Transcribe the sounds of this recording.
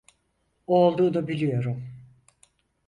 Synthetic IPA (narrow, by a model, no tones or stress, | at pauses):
olˠd̪uːd̪abilʲijo̞ɾum